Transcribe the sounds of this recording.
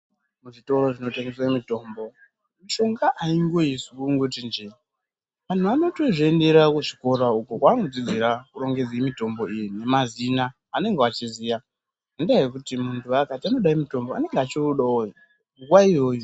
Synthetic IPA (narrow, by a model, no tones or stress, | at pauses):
muʐito̞ro̞ʐino̞teŋɡeswemito̞ːmbo̞ | maʃo̞ŋɡaʔaiŋɡo̞isukuŋɡotind͡ʒe | ʋan̤uano̞to̞ʐoende̞ɾakuʐiko̞ɾaukokwaːnod͡zid͡ziɾakuro̞ŋɡe̞d͡zeimito̞mbo̞ijine̞mazinaː | ne̞ŋɡeat͡ʃizija | andajekutimuntʰuakatiano̞ɗaimuto̞mboa̰ne̞ŋɡat͡ʃiruɗaojo | uɡwaiɦo̞ːjo